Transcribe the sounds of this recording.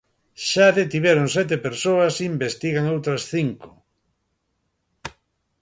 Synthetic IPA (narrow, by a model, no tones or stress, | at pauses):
ʃaðet̪iβeɾoŋsɛt̪epeɾsoɐsimbest̪iɣaŋowt̪ɾɐsθiŋko̥